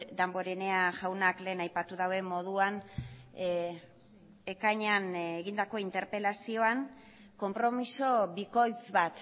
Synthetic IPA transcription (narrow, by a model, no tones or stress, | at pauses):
d̪ambo̞ɾene̞aʝawnakle̞ːnajpat̪uðawe̞mo̞ðuan | ekajɲeaneɣind̪ako̞int̪e̞ɾpe̞lasio̞aŋ | ko̞mpɾo̞miso̞βiko̞jzβat̪